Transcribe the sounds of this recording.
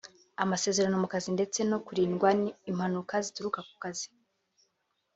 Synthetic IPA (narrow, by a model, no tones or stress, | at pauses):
amase̞ːze̞ɾano̞mukazinde̞t͡se̞no̞kuɾiːnɡwanimhanukazituɾukaku̥kazi̥